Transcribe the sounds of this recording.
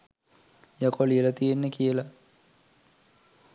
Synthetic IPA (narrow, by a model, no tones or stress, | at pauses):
jakolielat̪ijenːəkijəla